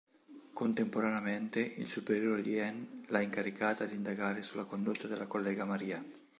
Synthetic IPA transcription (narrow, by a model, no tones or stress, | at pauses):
kont̪empoɾaneament̪eḭlsupeɾjoːɾed̪iɛnlaiŋkaɾikaːt̪ad̪ind̪aɡaːɾesulːakond̪ot̪ːad̪elakolːɛːɡamaɾiːa